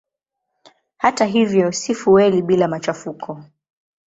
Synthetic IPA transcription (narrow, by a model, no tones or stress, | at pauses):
hataɦivjɔsifuwɛliɓilamat͡ʃafukʰɔ